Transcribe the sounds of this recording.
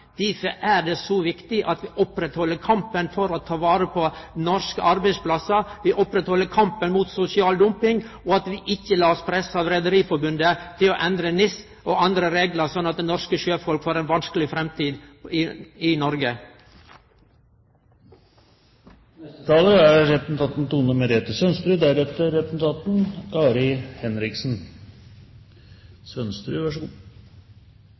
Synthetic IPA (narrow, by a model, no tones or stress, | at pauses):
d̪̥iːfəʔæɖ̪esɔʋɪkt̪ɪʔɑt̪ʋiːʔɔpɾɛt̪hɔlːəɾkʰɑmpənfɔɾɔt̪ʰɑːʋɑːɾəpʰɔnɔɾʂkəʔɑɾbæɪspʰlɑsɑʋiːʔɔpɾɛt̪hɔlːəɾkʰɑmpənmuːt̪sʊsɪɑːld̪ʊmpɪŋ | ɔɑt̪ʋiʔɪçːəlɑːɔspʰɾɛsɑʋɾɛd̪əɾiːfɔɾbʉnd̪ət̪ʰɪloʔɛnd̪ɾənɪs | oːɑnd̪ɾəɾeːɡləɾsɔnːɑt̪̚d̪ɛnɔɾʂkəʃøːfɔlkfoːɾɛnʋɑnskəlɪfɾɛmt̪ʰiːd̪ɪɪnɔɾɡə | nɛst̪ət̪ʰɑːləæɾɾɛpn̩t̪ʰɑːt̪n̩t̪uːnəmɛɾeːt̪əsœnst̪ɾʉːd̪æɾɛt̪ːəɾɛtnt̪ʰɑːt̪nɑːɾɪhɛnɾɪksn | sœnst̪ɾʉːʋɑʂɡu